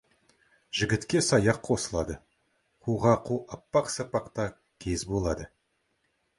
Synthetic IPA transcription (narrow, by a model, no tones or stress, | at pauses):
ʒ̥ɪɡʲɪt̪kʲe̞sɑjɑqqʰo̞səlˠɑd̪ə | qʰuʁɑqʰuɑpːɑqsɑpɑqt̪ɑ | kʲʰe̞zbo̞lˠɑd̪ə